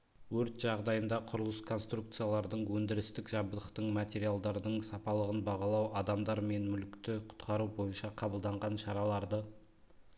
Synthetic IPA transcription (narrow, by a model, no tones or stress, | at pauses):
wɵɾt̪ʒ̥ɑʁd̪ɑjənd̪ɑqʰʊɾəlˠəskʰo̞nst̪ɾukt̪sɨjalˠɑɾd̪əɴwɵnd̪ɪɾɪst̪ɪkʒɑbd̪əχt̪əɴmɑt̪ʲe̞ɾijalˠd̪ɑɾd̪əɴsɑpɑlˠəʁənbɑʁɑlˠɑwɑd̪ɑmd̪ɑɾme̞nmʏlɪkt̪ɪqʰʊ̥t̪qʰɑɾubo̞jənʃɑqʰɑbəlˠd̪ɑɴʁɑnʃɑɾɑlˠɑɾd̪ə